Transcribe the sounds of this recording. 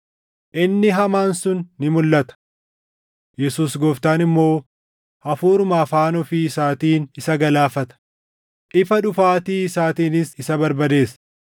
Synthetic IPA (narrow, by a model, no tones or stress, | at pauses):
ʔɪnːɪɦɐmaːnsʊnːɪmʊlːɐt̪ɐ̥ | jɛsuːsɡɔːft̪aːnɪmːo̞ː | ʔɐfuːɾʊmaːfaːnɔfɪsaːt̪iːnɪsɐɡɐlaːfɐt̪ɐ̥ | ʔɪfɐᶑʊfaːt̪iːsaːt̪iːnɪsɪsɐbɐɾbɐd̪e̞ːsɐ̥